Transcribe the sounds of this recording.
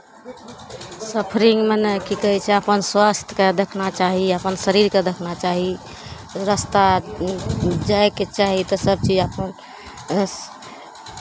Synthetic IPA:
səpʰɾiŋɡmenekikəɦɛt͡ʃʰɛəpənswast̪ʰked̪ekʰnat͡ʃaɦiəpənsəɾiɾked̪ekʰnat͡ʃaɦi | ɾəst̪a | d͡ʒajket͡ʃaɦit̪ɔsəb̚t͡ʃid͡ʒəpən

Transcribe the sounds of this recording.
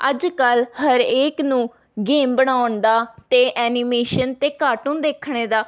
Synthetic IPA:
əd͡ʒkəlhəɾeːknũː | ɡeːmbəɽ̃aːʊnd̪aːt̪eːʔɛːnɪmeːʃənt̪eːkaːʈũːd̪eːkʰɳeːd̪aː

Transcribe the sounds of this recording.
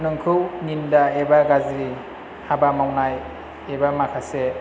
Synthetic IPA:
nɯŋkʰɯwnindaebaɡazi | habamawnaj | ebamakʰase

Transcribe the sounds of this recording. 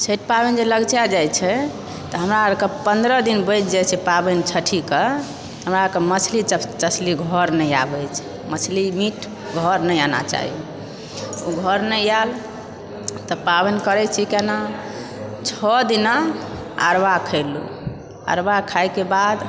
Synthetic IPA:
sʰeʈ̚pabɛnd͡ʒeləɡt͡ʃad͡ʒajt͡ʃʰɛ | t̪ɔɦəmɾaɾkəpənd̪ɾəd̪inbəjt͡ʃʰd͡ʒajt͡ʃʰɛpabənt͡ʃʰəʈʰikə | ɦəmɾaɾkəmət͡ʃʰlit͡ʃəsliɡʱɔɾnəjabɛjt͡ʃʰɛ̥ | mət͡ʃʰlimiʈʰ | ɡʱɔɾnəjana̰t͡ʃa̰ɦḭ | uɡʱɔɾnəjal | t̪ɔpabənkəɾɛt͡ʃʰikɛna | t͡ʃʰɔd̪ina | a̰ɾbakʰəɪlṵ | a̰ɾbakʰajkebad̪

